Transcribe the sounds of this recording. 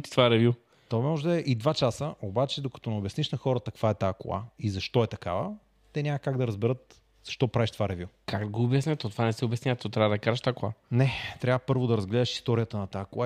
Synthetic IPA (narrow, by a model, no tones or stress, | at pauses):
t̪i̥t̪vaɾɛvju | t̪oɛmɔʒd̪ɐɛʔid̪vat͡ʃasəʔobat͡ʃɛd̪okɐ̥t̪ɔnɛobjɐsniʃnɐxɔɾət̪ɐkv̥aɛt̪aːkʊ̰a̰izɐʃt̪ɔɛt̪ɐka̰və̰ | t̪ɛnʲamɐkaɡd̪ɐɾɐzbɛɾɤt̪ | z̥ɐʃt̪ɔpɾaviʃt̪ovaɾɛvʲjukʰaɡd̪ɐɡoːbjɐsnʲɛt̪ɔt̪ovanɛsɛobjɛsnʲat̪ɔt̪ɾʲavəd̪ɐkaɾɛʃt̪akʊa̰nɛt̪ɾʲavəpɤɾvod̪ɐɾɐzɡlɛd̪əʃi̥st̪ɔɾijət̪ənɐt̪aːkˠa